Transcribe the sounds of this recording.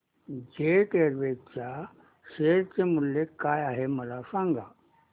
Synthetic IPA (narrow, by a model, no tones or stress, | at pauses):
d͡ʑeʈ̪eɾʋeɡ̚t͡ɕja | ɕeɾt͡semuljekajaɦeməlasãŋɡa